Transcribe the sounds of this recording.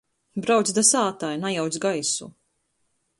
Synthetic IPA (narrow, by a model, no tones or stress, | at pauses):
bɾawt̪sʲd̪asaːt̪ajnajawt̪sɡajsṵ